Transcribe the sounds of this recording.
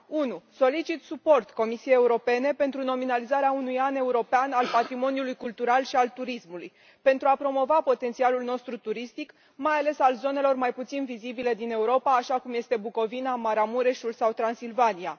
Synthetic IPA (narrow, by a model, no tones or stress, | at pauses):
unuso̞lit͡ʃit̪supo̞rt̪ko̞misijejeuɾo̞pe̞ne̞pe̞nt̪ɾuno̞minalizaɾeaunujane̞uɾo̞peanalpat̪ɾimo̞njulujkult̪uɾalʃialt̪uɾismuluj | pe̞nt̪ɾuapɾo̞mo̞vapo̞t̪e̞nsialulno̞st̪ɾut̪uɾist̪ik | majale̞salzo̞ne̞lo̞rmajput̪sinvizibile̞d̪ine̞uɾo̞paːʃakumje̞st̪e̞buko̞vinamaɾamuɾeʃulsawt̪ɾansilvania